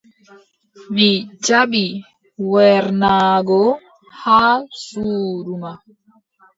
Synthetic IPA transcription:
mid͡ʒaɓi | wɛɾnaːɡɔ | haːsuːɾuma

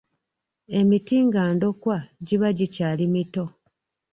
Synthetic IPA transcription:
e̞mitiːŋɡaːndo̞kwaɟiβaɟicaːlimito̞

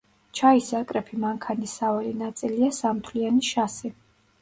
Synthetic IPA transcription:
t͡ʃʰaisakʼɾɛpʰimaŋkʰanisavɛlinat̪sʼiliasamt̪ʰlianiʃasi

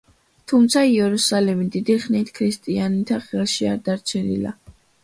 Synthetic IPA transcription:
t̪ʰumt̪sʰaiɛɾusalɛmid̪id̪iχnit̪ʰkʰɾist̪ʼianit̪ʰaχɛlˠʃiaɾd̪aɾt͡ʃʰɛnḭla̰

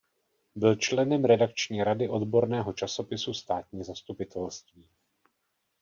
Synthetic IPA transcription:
bɪlt͡ʃlɛnɛmɾɛdakt͡ʃɲiːɾadɪʔo̞dbo̞ɾnɛːɦo̞t͡ʃaso̞pɪsust̪aːt̪ɲiːzast̪upɪt̪ʰɛlst̪viː

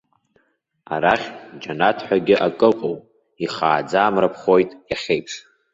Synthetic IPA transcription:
aɾaχʲd͡ʒanatʰħʷᶣaɡʲɪʔakʼɨqʼowpʼ | iχaːd͡zaːmrapʰχo̞jtʼjaχʲejpʰʂ

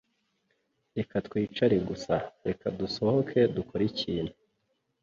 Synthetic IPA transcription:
ekatkwiːt͡ʃaɾiɡusaɾekʰaduso̞ho̞kʰe̞dukʰo̞ɾiciːnhu

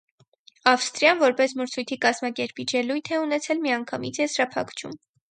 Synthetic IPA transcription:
ɑfst̪ɾjɑnvɔɾpɛsməɾt͡sʰujt̪ʰikɑzmɑkɛɾpid͡ʒɛlujt̪ʰɛunɛt͡sʰɛlmiɑŋkʰɑmit͡sʰjɛsɾɑpʰɑ̰kʰt͡ʃʰṵm

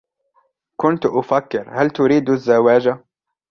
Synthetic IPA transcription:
kʊnt̪ʔʊfakːɪɾhalt̪ʊɾiːd̪azːawaːd͡ʒa

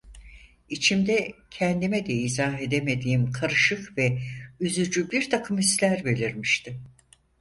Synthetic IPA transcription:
it͡ʃʰimd̪ɛcʰɛnd̪imɛd̪ɛizaːɦe̞d̪eme̞d̪iːmkʰaɾɯʃɯkvɛyzyd͡ʒybiɾt̪ʰakʰɯmist̪lʲæɾbe̞lʲiɾmiʃt̪ʰɪ

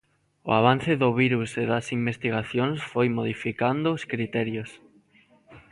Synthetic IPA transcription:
o̰aβ̞an̟θɪðʊβiɾuseðɐsimbest̪iɣ̞aθjonsfojmoðifikand̪ʊːskɾit̪ɛɾjos

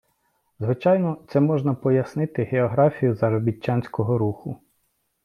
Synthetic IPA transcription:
zʋɪt͡ʃɑjnɔt̪sɛmɔʒnɐpɔjɐsnɪt̪ɪɦeɔɦɾɑfʲijʊzɐɾɔbʲit͡ʃːanʲsʲkɔɦɔɾuxʊ

